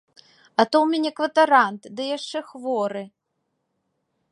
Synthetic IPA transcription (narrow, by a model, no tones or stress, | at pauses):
ɐt̪owmʲɛnʲɛkvɐt̪ɐɾant̪d̪ɨjaʂt͡ʂɛxvɔɾɨ